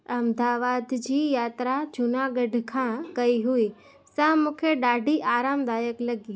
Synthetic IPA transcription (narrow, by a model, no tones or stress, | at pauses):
ɐmd̪aːʋaːd̪d͡ʑiːjaːt̪ɾat͡ɕʊnaɡɐɖʱkʰãːkɐiɦui | sɐ̃mũːkʰeɗaːɖʱiʔaːɾaːmd̪aːjəklɐɡi